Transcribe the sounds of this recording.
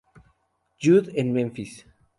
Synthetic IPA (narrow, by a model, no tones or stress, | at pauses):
d͡ʒuðɛ̃nmɛ̃ɱfis